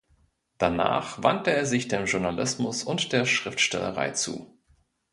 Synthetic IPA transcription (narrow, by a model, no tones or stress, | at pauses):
d̥ana̰ːχv̥a̰ntəeːɐzɪçd̥eːmʒʊɐnalɪsmʊsʊntd̥eːɐʃʁ̥ɪftʃtɛlə̰ʁa̰ɪt͡sṵː